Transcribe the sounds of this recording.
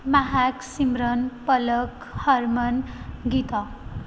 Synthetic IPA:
maɦaksimɾʌnpʌlʌk | hʌɾmʌnɡit̪ʌ

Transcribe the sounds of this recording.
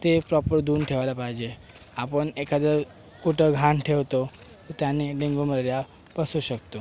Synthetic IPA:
t̪epɾɔpəɾd̪uːnʈʰeʋalapajd͡ʑe | apəɳekəd̪əɾ | kuʈəɡʱãɳʈʰeʋt̪o | t̪ot̪janiɖĩŋɡuməɾɾja | pəsuʃəkt̪o

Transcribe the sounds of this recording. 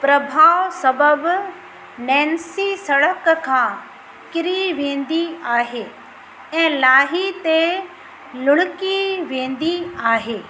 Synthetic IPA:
pɾɐbʱaːʋsɐbəb | nɛ̃ːnsisɐɽəkkʰãː | kɪɾiʋẽːn̆d̪iaːɦeː | ɛ̃ːlaːɦit̪e | lʊɽ̃ɪkiʋẽːn̆d̪iaːɦeː

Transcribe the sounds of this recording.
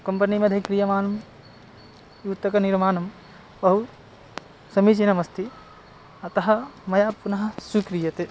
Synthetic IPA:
kɐmpɐnimed̪ʱɐkɾijɐmaːnɐm | jut̪ːɐkɐniɾmaːnɐm | bɐɦu | sɐmit͡ʃinɐmɐst̪ʰi | ɐt̪ɐɦɐ̆mɐjapunɐɦɐsukɾijɐt̪e

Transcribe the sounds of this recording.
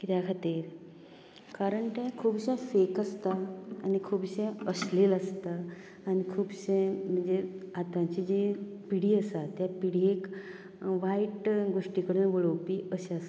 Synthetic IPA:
kit̪jakʰat̪iːɾ | kaɾəɳʈãkʰuːbɕẽfekast̪aːnikʰuːbɕẽəsleləst̪aː | nikʰuːbɕẽm̤əɳd͡zeat̪ãt͡ɕid͡ʑe | piɽiːəsat̪japiɽ̤iek | ʋaiʈɡoʂʈikəɽunʋoɭowpiːəɕeast̪

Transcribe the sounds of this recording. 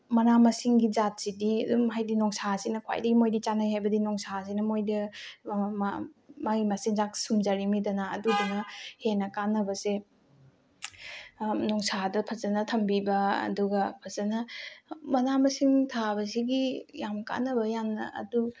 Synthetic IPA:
mɐnamɐsiŋɡid͡ʒat̚sidiɐdumɦajdinɔŋsasinɐkʰwa̰jdɐɡimojdit͡ʃanajhajbɐdinɔŋsas̬inɐmojdɐ | maimasiŋzak̚sumd͡ʒɐɾimidɐna̰ːduduŋɐhenɐkanɐbɐse | nɔŋsadɐpʰɐzɐnɐtʰɐmbibɐɐ̰duɡɐpʰɐzɐnɐmɐnamɐsiŋtʰabɐs̬iɡijamka̰nɐbɐjamnɐ̰ʔɐ̰du

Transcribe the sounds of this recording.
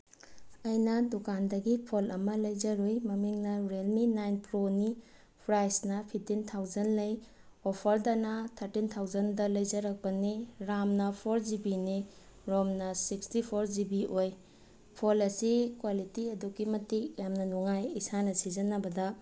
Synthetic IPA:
ɐjnɐdukandɐɡipʰolɐmɐlɐjd͡ʒɐɾojmɐmiŋnɐɾelminajnpɾoni | pʰɾajsnɐpʰip̚tintʰawzɐnlɐj | opʰɐɾdɐnɐt̪ʰɐɾtintʰawzɐndɐlɐjzɐɾɐk̚pɐniɾamnɐpʰoɾd͡ʒibini | ɾɔmnɐsikstipʰoɾzibiʔoj | pʰolɐsikwalitiɐdukːimɐtikjamnɐnuŋajisanɐsizɐnɐbɐdɐ

